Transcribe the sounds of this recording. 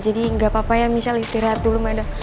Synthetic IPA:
d͡ʒadiŋɡapapajaŋmisalist̪iɾat̪ulumada

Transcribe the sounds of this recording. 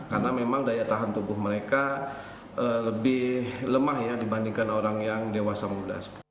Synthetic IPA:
karnamemaŋdajat̪aɦant̪ubʊhməɾeka | ələbɪhləmahjadibandiŋkanoɾaŋjaŋdewasamuda̰s

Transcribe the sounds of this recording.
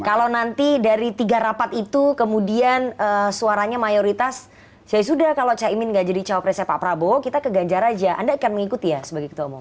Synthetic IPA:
kalownant̪idaɾit̪iɡaɾapat̪it̪ukəmudianəsuaɾaɲamajoɾit̪as | sajas̬udahkalot͡ʃaimɪnŋɡaʔd͡ʒadit͡ʃapɾɛsɛpa̰pɾabokit̪akəɡaɲd͡ʒaɾad͡ʒaʔa̰ndaːkanməŋikut̪ijasəbaɡajkət̪uamɔm

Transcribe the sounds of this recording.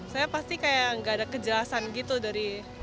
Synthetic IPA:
sajapast̪ikajaəŋɡaːdakəd͡ʒəlasanɡit̪udaɾi

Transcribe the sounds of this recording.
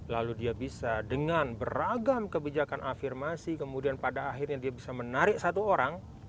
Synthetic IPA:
laludiabisadəŋanbəraɡamkəbid͡ʒakanʔafirmasikəmudianpadaːɦɪrɲadiabisamənaɾɪk̚sat̪uoɾaŋ

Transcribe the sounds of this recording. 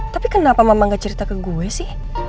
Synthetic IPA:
t̪apikənapamamaŋɡat͡ʃəɾit̪akəɡuɛsɪh

